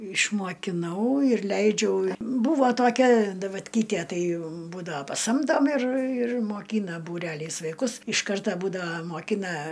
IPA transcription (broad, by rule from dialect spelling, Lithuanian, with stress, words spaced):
ɪʃmoːkʲɪˈnɐʊ ɪr ˈlʲɛɪd͡ʒʲɛʊ ˈbuːʋoː toːˈkʲɛ dɐʋɐtʲˈkʲiːtʲiɛ ˈtɐɪ ˈbuːdɐʋɐ pɐˈsɐmdoːm ɪr ɪr moːˈkʲiːnɐ buːˈrʲæːlʲɛɪs ʋɐɪˈkʊs ɪʃ ˈkɐrtɐ ˈbuːdɐʋɐ moːˈkʲɪnɐ